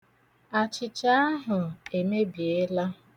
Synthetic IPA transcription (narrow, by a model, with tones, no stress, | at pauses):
a˨t͡ʃɪ˨t͡ʃa˦a˦ɦʊ˨e˨me˦bje˦la˦